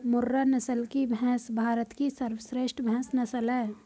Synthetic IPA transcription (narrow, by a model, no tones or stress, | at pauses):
mʊɾːanɐsəlkibʱɛ̃ːsbʱaːɾət̪kisəɾwəsɾeːʃʈʰbʱɛ̃ːsnɐsəlɦɛː